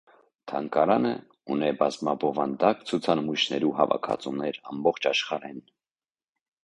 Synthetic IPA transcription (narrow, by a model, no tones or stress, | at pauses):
t̪ʰɑŋkɑɾɑnə | unɛbɑzmɑbɔvɑnd̪ɑkt͡sʰut͡sʰɑnmujʃnɛɾuɦɑvɑ̰kʰɑ̰t͡sumnɛɾɑmbɔχt͡ʃʰɑʃχɑɾɛn